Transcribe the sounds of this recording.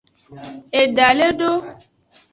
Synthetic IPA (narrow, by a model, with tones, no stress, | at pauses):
e˨ɖa˨le˦ɖo˦